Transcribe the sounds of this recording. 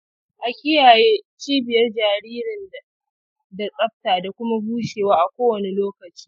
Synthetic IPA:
ʔa˨kʲɪ˦jaː˨jeː˦t͡ʃiː˦bɪ˨jɐ˦rd͡ʒaː˨ɾiː˦ɾɪ˨n˨ | da˨sʼɐ˦ɸ̚taː˨da˨kʷʊ˦ma˦buː˦ʃeː˨waː˦ʔa˨kʷoː˦wɐ˨ne˨loː˦kɐ˨t͡ʃi̥ː˦

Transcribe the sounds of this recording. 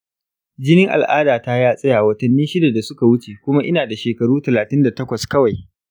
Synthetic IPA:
d͡ʒɪ˦nɪ˦ŋʔa̰˨lʔaː˦daː˨ta˦jaː˦sʼɐ˦jaː˨wɐ˨tɐ˨nːiː˦ʃɪ˦da˨da˨sʊ˦ka˨wʊ˦t͡ʃeː˨kʷʊ˦ma˦ʔɪ˦naː˨da˨ʃeː˨kɐ˨ɽuː˦tɐ˨laː˨tɪ˦nda˨tɐ˦kʷɐ˨skɐ˦wa˨j

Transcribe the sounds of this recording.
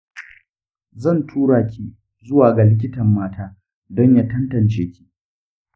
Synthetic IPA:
zɐ˦˨ntʰuː˦ɽaː˨kʲi˦ | zʊ˦waː˨ɡa˨lɪ˦k̬ʲɪ˦tɐ˨mːaː˦taː˦ | dɔ˦ɲjaː˦tɐ˦ntɐ˨nt͡ʃeː˦kʲi̥˦ʔ

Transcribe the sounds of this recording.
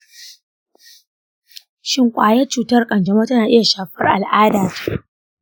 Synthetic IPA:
ʃɪ˦ŋkʷʼaː˨jɛ˦t͡ʃuː˨tɐ˦rkʼɐ˨nd͡ʒɐ˨ma˦tɐ˦naː˨ʔɪ˦ja˨ʃaː˨ɸɐ˦rʔa˨lʔaː˦daː˨tʰḁ˦

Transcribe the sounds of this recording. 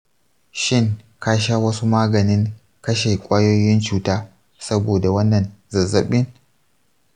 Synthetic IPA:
ʃɪ˦˨ŋ | kaː˦ʃaː˦wɐ˦su˦maː˦ɡɐ˨nɪ˦ŋ | kɐ˦ʃe˨kʷʼaː˦jo˦jɪ˦nt͡ʃuː˦taː˦ | sɐ˦boː˨da˨wɐ˦nːɐ˨nzɐ˨zɐ˨ɓɪ˦n

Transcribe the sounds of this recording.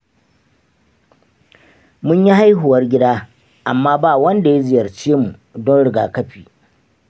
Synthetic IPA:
mʊ˦ɲji˦ɦa˦jɦʊ˨wɐ˦rɡʲɪ˦daː˦ | ʔa˨mːaː˦baː˦˨wɐ˦nda˨ja˦zɪ˨jɐ˨rt͡ʃeː˦mu˨ | dɔ˦nɽɪ˦ɡaː˨kɐ˦ɸiː˨

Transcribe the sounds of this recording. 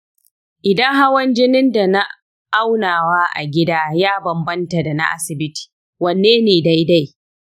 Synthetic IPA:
ʔɪ˨dɐ˦ŋɦa˦wɐ˦nd͡ʒɪ˦nɪ˦nda˨na˦ | ʔa˦wnaː˨waː˦ʔa̰˨ɡʲɪ˦daː˦jaː˦bɐ˨mbɐ˦nta˨da˨na̰˦ʔa̰˦sɪ˨bɪ˦ti̥ː˨ | wɐ˨nːeː˦neː˨da˦jda˦j

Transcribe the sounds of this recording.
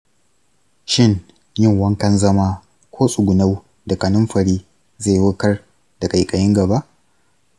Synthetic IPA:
ʃɪ˦ŋ | jɪ˦˨ŋwɐ˦ŋkɐ˦nzɐ˦ma˦ | kʷʰoː˦sʼʊ˨ɡʷʊ˨na˦w | da˨ka˨nʊ˦mɸɐ˨ɽiː˦ | za˦˨jwʊ˦kɐ˦r | da˨kʼa˨jkʼɐ˨jɪ˦ŋɡɐ˨ba˦ʔ

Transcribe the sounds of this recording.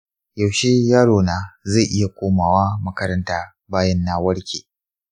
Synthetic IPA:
jɐ˨wʃeː˦jaː˦ɽoː˨naː˨ze˦˨ʔɪ˦ja˨kʷoː˦maː˨waː˦mɐ˦kɐ˦ɾɐ˦ntaː˦ | baː˦jɐ˦nːaː˦wɐ˦ɽkʲeː˨

